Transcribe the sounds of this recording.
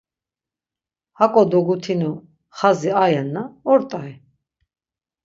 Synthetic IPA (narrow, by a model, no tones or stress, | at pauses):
hakʼɔd̪ɔɡut̪ʰinu | χaziajɛnːaɔɾt̪ʼai